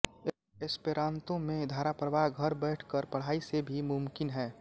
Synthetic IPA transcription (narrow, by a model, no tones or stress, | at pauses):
e | espeɾãːnt̪õmẽd̪ʱaːɾapɾəbaɦɡʱəɾbɛɪʈʰkəɾpɐɽ̤aːisebʱimʊmkɪnɦɛː